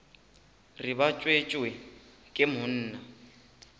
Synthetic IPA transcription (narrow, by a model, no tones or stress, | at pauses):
riβat͡ʃʼwet͡ʃʼwɛ | kʼɪmʊn̩ːna